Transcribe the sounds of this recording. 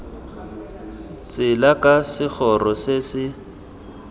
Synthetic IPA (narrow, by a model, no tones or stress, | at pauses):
t͡sʼɪlakʼasɪk͡xʰɔrɔsɪsɪ